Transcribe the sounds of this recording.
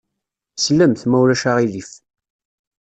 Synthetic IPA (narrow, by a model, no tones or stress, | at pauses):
slːæmθmæwlæʃaʁilif